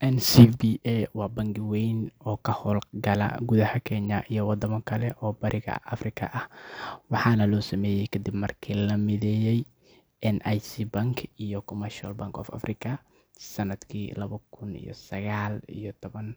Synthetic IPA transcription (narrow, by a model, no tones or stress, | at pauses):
ʔɛnsibiʔɛwɑːbɐŋɡɪwɛjnɔːkʰɐhɔːlɡɐlɐ̰ɡuðɐhɐkʰɛɲɐʔijɔwɐd̪ɐmɐkʰɐlɛʔɔːbɐɾʔɪɣɐ̰ʔɐ̰frɪkʰɐ̰ʔɐhwɑħɑːnɐlɔːsɐmɛːjɛjkʰɐd̪ibmɐrkʰiːlɐmɪðɛːjɛj | ʔɛnʔajsiːbɐŋkʰijɔkʰɔmɐrʃɔlbaŋkɔ̰ːfɐ̰frɪkʰɐ | sɐnɐd̪kʰiːlɐβɐkʰʊnḭjɔ̰sɐɣaːlḭjɔt̪ʰɔβɐn